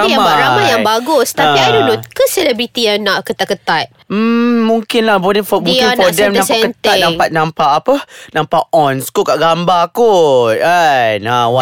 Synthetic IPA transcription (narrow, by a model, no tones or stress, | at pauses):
jabaɾamajaŋbaɡʊst̪apiaidudʊkəsɛlɛbɾit̪ijanaʔkət̪aʔkːət̪at̪̚m̩ːũŋkɪnlahbɔdɛfɔmũŋɪnnfɔdɛmnamsaɛkənt̪at̪̚nãmŋpat̪̚nampaʔːpənãmpaʔɔnskukaʔɡambakuajnawa